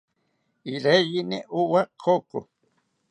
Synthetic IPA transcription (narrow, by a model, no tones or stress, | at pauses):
iɾeʎineʔuwakʰokṵ